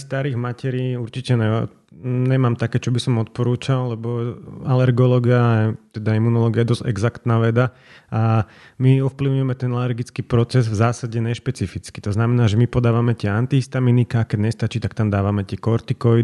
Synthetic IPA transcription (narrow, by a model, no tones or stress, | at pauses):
st̪aɾiːɣmacɛɾiːuɾt͡ʃicɛnɛ | ɲɛmaːmt̪akɛːt͡ʃɔbisɔmɔt̪̚pɔɾuːt͡ʃalːɛbɔalɛɾɡɔlɔːɡiaɛt̪ɛd̪aimunɔlɔːɡiaɛd̪ɔzɛ̰ɡzakt̪naːʋɛd̪a | a | miɔfpliʊɲujɛmɛt̪ɛnalɛɾɡit͡skiːpɾɔt͡sɛzvzaːsaɟɛɲɛʃpɛt͡sifit͡ski̥t̪ɔznamɛnaːʒɛmipɔd̪aːʋamɛt̪ɪɛant̪iɦist̪aminikaːkɛɟɲɛst̪at͡ʃiːt̪akt̪amd̪aːʋamɛt̪ɪɛkɔɾt̪ikɔ